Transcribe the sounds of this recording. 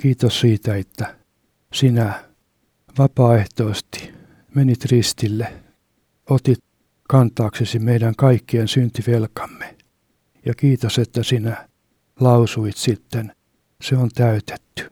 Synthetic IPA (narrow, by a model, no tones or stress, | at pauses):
kiːt̪ossiːt̪æet̪ːæ | sinæ | ʋɑpɑːeht̪oːst̪i̥ | menit̪rist̪ilːe | ot̪it̪ | kɑnt̪ˑɑːksesimeidæŋkɑikːiensynt̪iʋelkɑ̥mːe̥ | jɑkiːt̪oset̪ːæsinæ | lɑusuit̪sit̪ːen | seont̪æyt̪e̥t̪ːy̥